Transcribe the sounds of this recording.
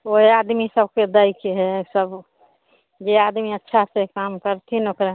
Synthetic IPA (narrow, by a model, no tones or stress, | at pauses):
oɦead̪misəbʱked̪əɪkeɦɛsəb | d͡ʒead̪miətːʃʰasekamkəɾt̪ʰinokɾa